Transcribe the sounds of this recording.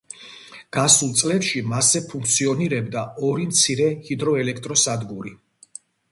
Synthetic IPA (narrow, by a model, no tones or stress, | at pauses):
ɡ̥asulˠt̪sʼlɛpʃimasɛpʰuŋk̚ʰt̪sʰiɔniɾɛbd̪aɔɾimt̪sʰiɾɛhid̪ɾɔɛlɛkʰt̪ʼɾɔsad̪ɡuɾi